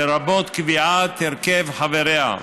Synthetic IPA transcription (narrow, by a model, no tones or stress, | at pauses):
eɾabot̪kviʕat̪iɾkevħaveɾea̰